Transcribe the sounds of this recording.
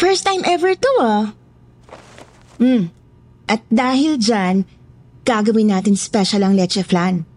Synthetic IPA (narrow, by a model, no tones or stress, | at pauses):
fɛɹst̪ːãjmʔɛvɛɹt̪ua | m̩ | ʔɐt̪̚d̪aːhɪld͡ʒan | ɡ̥aɡɐwɪnːaːt̪ɪnspɛʃɐlɐŋlɛt͡ʃɛflan